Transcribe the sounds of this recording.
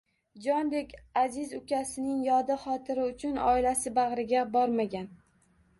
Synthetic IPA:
d͡ʒɒnd̪ekʲazɪzʊkʲʰasɪnɪŋjɒd̪ɪχɒt̪ʰɪɾɪʊt͡ʃʰʊnɒ̰ɪlasɪbaʁɾɪɡʲabɒɾmaɡʲan

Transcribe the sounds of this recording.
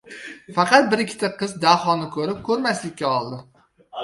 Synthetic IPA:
fɑqɑt̪̚bɪɾɪkʲʰːɪ̥t̪ʰaqʰɨzd̪aχɒnɪkʰɵɾɪp̚kʰɵɾmaslɪkʲːaɒlˠd̪ɪ

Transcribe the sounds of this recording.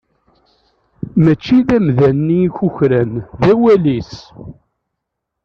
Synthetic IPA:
mæt͡ʃːiðæmðænːiçuçɾænðæwælis

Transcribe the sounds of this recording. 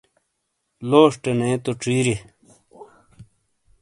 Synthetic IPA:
loːʂʈenẽːt̪oʈ͡ʂiːɾe

